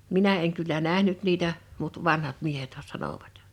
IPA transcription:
minæ eŋ kylːæ næhnyt niːtæ mut ʋɑnhɑt miehethæ sɑnoˑʋɑt

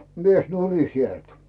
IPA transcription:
mies nuri sielt

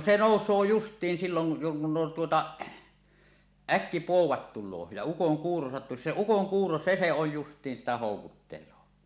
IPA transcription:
se noˑusˑoː justˑiːn siːloŋ ku tuotɑ ækːipoˑuwɑt tulˑoː jɑ ukoŋkuːro sɑtːusi se ukoŋkuːro se se oj justˑiːn sitæ hoˑukutːelˑoː

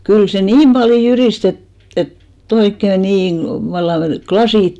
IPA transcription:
kyl se niːm b̥ɑljo jyrist et et etː oikːe niːŋ ɡ̊lɑ̆ ʋɑlːɑŋ ɡ̊lɑsiˑt

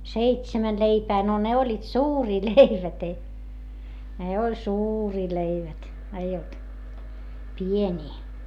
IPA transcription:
seitsæmæn leipæː no ne olʲːiːt suːriː leiʋæt ei ne olʲ suːriː leiʋæt eij olt pienʲiː

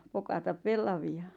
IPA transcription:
pokɑtɑp̆ pelːɑʋiɑ

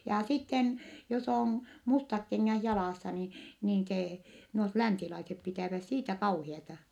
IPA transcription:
jɑ sitːen jos oˑn mustɑk keŋːæh jɑlɑˑsːɑ ni niːn seː nuot lænsilɑisep pitæˑʋæs siːtæ kɑuhiɑtɑ

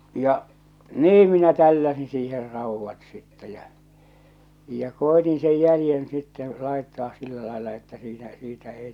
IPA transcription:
jɑ niː minæ tælːæsin siːher rɑˑuʋːɑt sitːe jæ̠ jɑ̟ koetin sej jælĭjen sitːẽː lɑˑetːɑːs silːæ lɑˑelːɑ etːæ siːnæ siːtæ ei

